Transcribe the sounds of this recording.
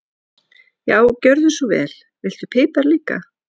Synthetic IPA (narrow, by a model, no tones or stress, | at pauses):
jaːwcœɾðʏsuvɛ̰ːl̥ | vɪl̥t̪ʏpʰɪːpaɾliːka̰